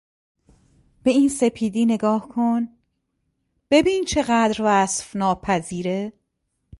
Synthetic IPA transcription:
b̥e̞iːnse̞pʰiːd̪iːne̞ɡɒːhkʰon | b̥e̞biːnt͡ʃʰe̞ɣæːd̪ɾvæsfnɒːpʰæziːɾe

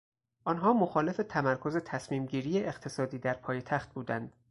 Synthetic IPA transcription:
ʔɒnɦɒːmoxɒːle̞fe̞t̪ʰæmæɾkʰo̞ze̞t̪ʰæsmiːmɟiːɾiːjeʔeqt̪ʰe̞sɒːd̪iːd̪æɾpʰɒːjet̪ʰæxt̪̚buːd̪ænd̪̥

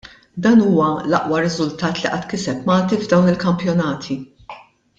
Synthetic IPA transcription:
d̪ɐːnuːwɐlɐʔwɐɾɪzʊlt̪ɐːt̪liʔɐt̪ːkɪsɛpmɐːt̪ivd̪ɐwnɪlkɐmpjɔnɐːt̪ʰi

